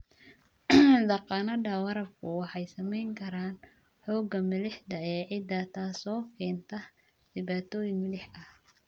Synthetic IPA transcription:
d̪ɐqɑnɐdɐwɐɾɐbkʰʊwɑħɑjsɐmɛjŋkʰɐɾaːn | ħɔːɡɐmɐlɪħd̪ɐɛːʕɪd̪ɐt̪ʰaːsɔːkʰɛːnt̪ʰɐ | d̪̥ɪβaːt̪ʰɔːjɪŋmɐlɪħɐh

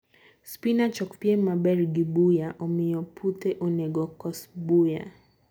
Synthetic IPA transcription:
spinat͡ʃɔkpjɛmabɛɾɡibujaʔɔmijɔpʰutɛʔɔnɛɡɔkɔsbuja̰

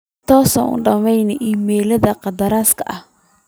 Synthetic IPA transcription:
t̪ʰɔːsɐnʊ̰ɖɐmɛjnɪʔiːmɛːlɐðɐqɑd̪ɐɾaːskʰɐ̰ʔɐh

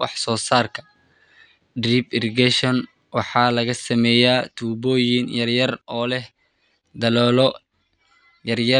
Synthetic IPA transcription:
wɑ̰ħsɔːsaːrkʰɐ̥ | driːbɪrɡɛʃɐn | wɑħɑːlɐɣɐsɐmɛːjaːt̪ʰuːbɔːjɪnjɐrjɐrɔːlɛ | d̪ɐlɔːlɔ | jɐrjɐ

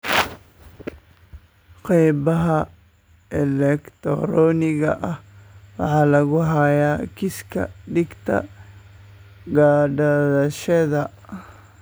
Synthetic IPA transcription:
qɛjbɐɦɐ | ɛlɛkt̪ʰɔ̰ɾɔːnɪɣɐ̰ʔɐhwɑħɑːlɐɣʊɦɐjaːkʰɪskʰɐ̰ɖɪɡt̪ʰɐ̰ | ɡaːɖɐðɐʃɐðɐ

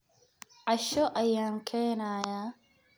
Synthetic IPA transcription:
ʕɑʃɔʔɐjaːŋkʰɛːnaːjaː

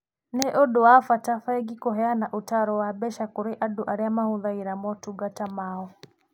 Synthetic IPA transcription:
nɛʔɔɗɔafatafaɛɡikɔɦɛanaʔutaɾɔwabɛʃakuɾiʔaduʔaɾɛamahuðaiɾamɔtuɡatamaɔ

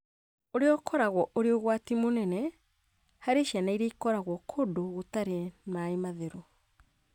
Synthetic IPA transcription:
oɾeɔkʰɔɾaɣwɔʔoɾeoɣwatimonɛnɛ | haɾeʃianaiɾeikɔɾaɣwɔkʰodoɣotaɾenaemaðeɾo

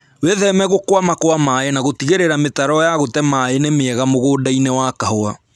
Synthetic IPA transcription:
weðɛmɛɣokwamakoamaenaɣotiɣeɾeɾametaɾɔjaɣotɛmaenemeɛɣamoɣoːdainɛwakahoa

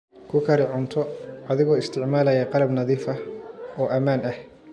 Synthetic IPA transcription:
kʰʊkʰɐɾɪʕʊnt̪ʰɔʔɐðɪɣɔːɪst̪ʰɪʕmaːlɐjɐqɑlɐbnɐðiːfɐɔːʔɐmaːnɐh

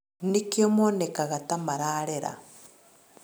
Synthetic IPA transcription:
nikiomonekaɣatamaɾaːɾeɾa̰

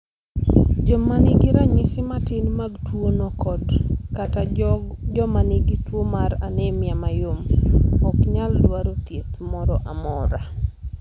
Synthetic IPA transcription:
d͡ʒɔmanɪɡiɾaɲɪsɪmatɪnmaɡtwonokɔdkatad͡ʒɔmanɪɡitwomaɾanemjamajomɔkɲaldwaɾot̪jet̪mɔɾɔʔamɔɾa

